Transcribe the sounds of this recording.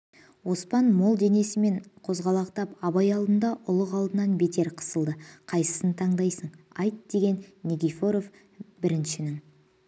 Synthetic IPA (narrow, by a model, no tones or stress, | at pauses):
wo̞spɑnmo̞lˠd̪e̞ne̞sɪme̞ɴqʰo̞zʁɑlˠɑqt̪ɑpɑβɑjɑlˠd̪ənd̪ɑʔʊlˠəqɑlˠd̪ənɑnbe̞t̪ʰe̞ɾqʰə̥səlˠd̪əqʰɑjsə̥sənt̪ʰɑɴd̪ɑjsəɴ | ɑjt̪d̪e̞ɡʲe̞nːʲeɡʲifo̞ɾo̞f | bɪɾɪnʃɪnɪŋ